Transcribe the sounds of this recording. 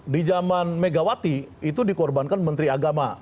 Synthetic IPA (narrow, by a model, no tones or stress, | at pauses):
did͡ʒamanmeɡawat̪iit̪̬udikɔrbankanmənt̪ɾiaɡama